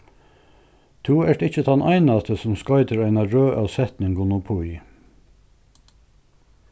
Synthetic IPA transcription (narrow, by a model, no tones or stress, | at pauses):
t̪ʰuːæʈɪçət̪ʰɑnʔæ̰ɪnɑt̪ʰəsɔmskɑʏd̪əɹæɪnɑɹøːʔɑʋsɛt̪nɪŋɡʊnʊpʰuʏ